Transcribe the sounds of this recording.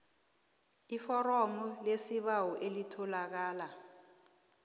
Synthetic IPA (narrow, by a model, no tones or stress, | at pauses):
ifɔrɔmulesiɓawɔʔelitʰɔlak̬aːla